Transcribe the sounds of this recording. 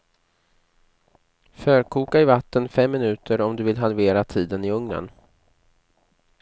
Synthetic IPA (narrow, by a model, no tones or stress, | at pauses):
fœːɾkʰuːkaɪvat̪ːənfɛmːɪnʉ̟ːt̪ʰəɾɔmd̪ɵvɪlɦalveːɾat̪ʰiːd̪ənɪɵŋnə̰n